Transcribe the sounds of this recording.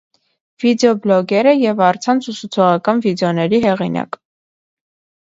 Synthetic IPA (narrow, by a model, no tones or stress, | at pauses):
v̥id̪ɛɔblɔɡɛɾəjɛvɑɾt͡sʰɑnt͡sʰusʰut͡sʰɔʁɑkɑnvid̪ɛɔnɛɾiɦɛʁinɑ̰k